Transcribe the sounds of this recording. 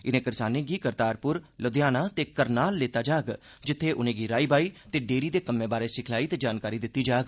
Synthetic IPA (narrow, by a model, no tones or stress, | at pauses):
ɪnẽːkɪɾsaːnẽːɡiːkəɾt̪aːɾpʊɾləd̪jaːnaːt̪eːkəɾnaːlːeːt̪aːd͡ʒaːɡ | d͡ʒɪt̪ʰːeːʔʊnẽːɡiːɾaːiːbaːiːt̪eːɖeːɾiːd̪eːkəmːẽːbaːɾeːsɪkʰlaːiːt̪eːd͡ʒaːnkaːɾiːd̪ɪt̪ːiːd͡ʒaːɡ